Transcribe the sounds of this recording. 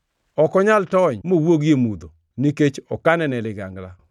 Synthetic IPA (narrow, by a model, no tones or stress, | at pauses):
ɔkɔɲaltɔɲmowoɡjemud̪o | niket͡ʃɔkanɛnɛlɪɡa̰ŋɡla